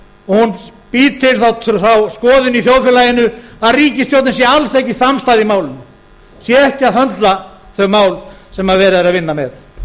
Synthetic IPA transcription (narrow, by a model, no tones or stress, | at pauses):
ɔhunpiːt̪t̪ʰːɪlθawt̪ʰθawskɔːðɪniθjowðfjɛlajɪnʏaðriːcɪst̪jowt̪nnsjɛalsɛhcɪsamst̪ajðɪmaːwlɪnʏ | sjɛɛhcɪaðθhœnt̪la | θœmaːwlsɛmaðvɛːɾɪɾaðvɪnːamɛθ